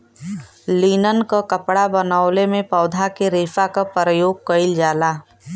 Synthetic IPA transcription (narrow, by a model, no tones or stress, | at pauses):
liːnənkakəpɽabənaːʊlemẽpəːd̪ʱakeɾeːfakapɾəjoːɡ̚kəɪld͡ʒaːlaː